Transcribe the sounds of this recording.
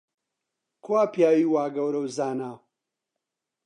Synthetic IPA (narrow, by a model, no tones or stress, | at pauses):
kʰwaːpjaːwiːwaːɡɐwɾɐwzaːnaː